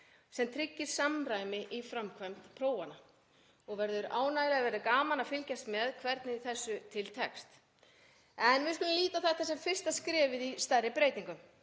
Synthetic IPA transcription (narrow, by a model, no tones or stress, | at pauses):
sɛmt̪ʰɾɪcːɪɾ̥samɾaːjmɪʔifɾamkʰvajmt̪pʰɾoːwana | ɔɣvɛɾðʏɾaːwnaːjlɪavɛɾðʏkaːmanafɪlcast̪mɛðkʰvɛɾt̪nɪθɛsːʏt̪ʰɪlt̪ʰɛkst̪ | ɛnvɪskʏlʏmliːt̪aθɛht̪asɛmfɪr̥st̪askɾɛːvɪðist̪arːɪpɾejt̪iŋkʏm